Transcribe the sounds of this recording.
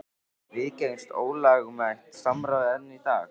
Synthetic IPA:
vɪcejnst̪oːwlaːɣmajht̪samɾawɛnːit̪aː

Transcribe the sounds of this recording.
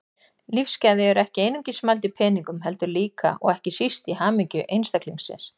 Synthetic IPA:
lifscaðɪɛɾɛhcɪejnʏɲcɪsmalt̪ɪpʰɛːniŋkʏmɦɛlt̪ʏɾliːka̰ʔɔ̰ɣɛhcɪsist̪ihaːmiɲcʏʔejnst̪akliŋsɪ̰ns

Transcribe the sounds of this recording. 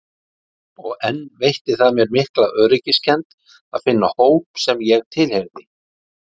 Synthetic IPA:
ɔɣɛnːvejht̪ɪθaðmjɛɾmɪhklaœːɾɪcɪscʰɛnt̪ | aðfɪnːahoːwpsɛmjɛɣt̪ʰɪlheɣnɪ

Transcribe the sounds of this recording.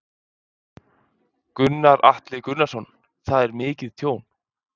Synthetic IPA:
kʏnːaɾa̰ht̪lɪkʏnːasɔn | θaðɛɾmɪːcɪðt̪ʰjoːwn

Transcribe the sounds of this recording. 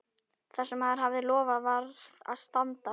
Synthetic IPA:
θasɛmhaðaɾ̥havðɪlɔːvavaɾðða̰ðst̪ant̪a

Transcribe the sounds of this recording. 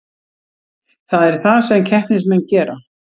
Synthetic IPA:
θaðɛɾ̥θaðsɛmcʰɛhpnɪsmɛnːcɛːɾa

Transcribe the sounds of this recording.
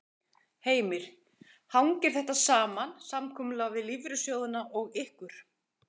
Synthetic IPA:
heːjmɪɾ̥ | hawŋcɪɾ̥θɛht̪asaːmansamkʰɔːmʏlavɪðlivɾʏsjoːwðʏnaʔɔɣɪhkʏɾ̥

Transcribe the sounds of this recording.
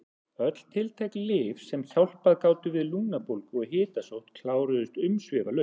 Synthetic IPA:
œt̪l̥t̪ʰɪlt̪ʰejklɪfsɛmθjawl̥paðkaːwt̪ʏvɪðlunapolkɔɣɦɪːt̪asowht̪kʰlaːwɾʏðʏst̪ʏmsvɪːvalœ

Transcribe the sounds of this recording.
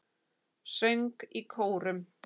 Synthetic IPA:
sœɥŋkikʰoːwɾʏm

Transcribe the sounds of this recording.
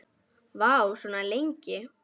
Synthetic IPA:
vawsɔnalejɲcɪ

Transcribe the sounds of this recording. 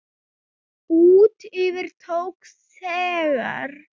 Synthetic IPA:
uːt̪ʏvɪɾ̥t̪ʰowk | s | ɛːɣa̰ɾ̥

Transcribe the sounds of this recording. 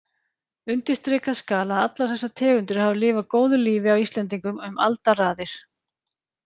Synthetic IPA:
ʏnt̪ɪst̪ɾɪːkaskaːlaðat̪laɾ̥θɛsːat̪ʰɛːɣʏnt̪ʏɾ̥havʏlɪːvakoːwðʏliːvɪawist̪lɛnt̪̬iŋkʏmʏma̰lt̪araːðɪɾ̥

